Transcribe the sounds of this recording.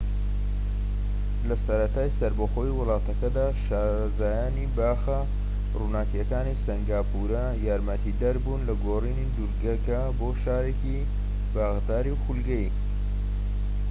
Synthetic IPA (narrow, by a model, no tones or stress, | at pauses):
lɐsɐɾɐt̪aːjsɐɾbɐxo̞jiwʊlˠɑːt̪ɐkɐd̪aːʃaːɾ | zaːjaːnibaːxɐ | runaːkɛkaːnisɐŋɡaːpʰuɾɐ | jaːɾmɐt̪ʰid̪ɐɾbuːnlɐɡoːriːnid̪uɾɡɐkɐ | boːʃaːɾeːki | baːɣt̪aːɾiwxulɡɐj